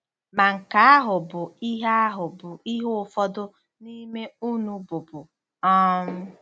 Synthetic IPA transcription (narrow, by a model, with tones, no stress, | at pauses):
ma˨ŋ̩˨ka˨a˦ɦʊ˨bʊ˨i˦ɦa˦a˦ɦʊ˨bʊ˨i˦ɦʊ˦ʊ˨fɔ˦dʊ˦ | ni˦me˦u˦nu˦bʊ˨bʊ˨ | ɔ˦m̩˦